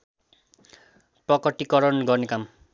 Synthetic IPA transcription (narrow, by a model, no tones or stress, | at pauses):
prʌkʌʈːikʌɾʌnɡʌrnekam